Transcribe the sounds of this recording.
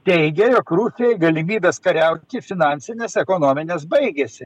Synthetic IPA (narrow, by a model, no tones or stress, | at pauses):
t̪ʲɛɪɡʲɛjoːkɾuːsʲɪjɛɪɡɐlʲɪmʲiːbʲeːskɐɾʲɛʊt̪ʲɪfʲɪnɑnʲsʲɪnʲeːsɛkoːnoːmʲɪnʲeːs̬bɐɪɡʲesʲɪ